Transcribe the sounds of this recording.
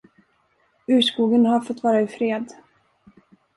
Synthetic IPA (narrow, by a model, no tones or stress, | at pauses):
ʉ̟ːʂkuːɡənɦaɾfɔt̪ːvɑːɾaɪfɾeːd̪